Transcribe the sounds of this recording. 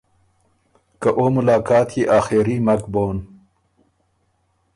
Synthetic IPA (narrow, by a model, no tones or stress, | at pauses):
kaʔoːmʊlɑːkɑːt̪jiʔaːxeɾimɐkboːn